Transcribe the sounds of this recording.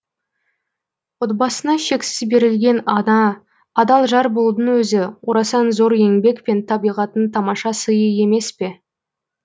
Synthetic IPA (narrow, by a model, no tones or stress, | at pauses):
wot̪bɑsənɑʃe̞ksɪzbe̞ɾɪlɡʲe̞nɑd̪ɑ | ɑd̪ɑlˠʒɑɾbolˠd̪ənwɵzɪwoɾɑsɑnzo̞ɾe̞ŋbe̞kpe̞nt̪ʰɑbijʁɑt̪ənt̪ʰɑmɑʃɑsəjəe̞me̞spe̞